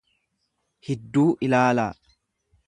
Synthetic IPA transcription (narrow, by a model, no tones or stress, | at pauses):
hɛd̪ːuːʔɪlaːlaː